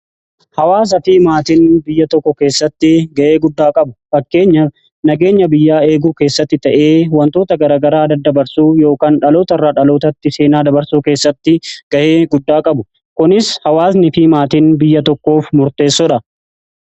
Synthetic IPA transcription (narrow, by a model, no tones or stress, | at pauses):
hɐwaːs̬ɐfiːmaːt̪ɪnbɪjːɐt̪ɔkːɔke̞ːsːɐt̪ːɪɡɐʔe̞ːɡʊd̪ːaːkʼɐbʊfɐkːe̞ːɲːɐ | nɐɡe̞ːɲːɐbɪjːaːe̞ːɡuːke̞ːsːɐt̪ːɪt̪ɐʔe̞ːwɐnt̪o̞ːt̪ɐɡɐɾaːɡɐɾaːd̪ɐd̪ːɐbɐɾsuːjo̞ːkaːnᶑɐlo̞ːt̪ɐrːaːᶑɐlo̞ːt̪ɐt̪ːɪse̞ːnaːd̪ɐbɐɾsuːke̞ːsːɐt̪ːɪɡ̥ɐʔe̞ːɡʊd̪ːaːkʼɐbʊ | kʊnɪshɐwaːsnɪfɪmaːt̪ɪnbɪjːɐt̪ɔkːo̞ːfmʊɾt̪e̞ːsːɔᶑɐ